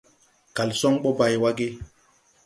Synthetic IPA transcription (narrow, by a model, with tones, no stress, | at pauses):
ka˨lsɔ˦ŋɓɔ˦ba˨jwa˦ɡe˦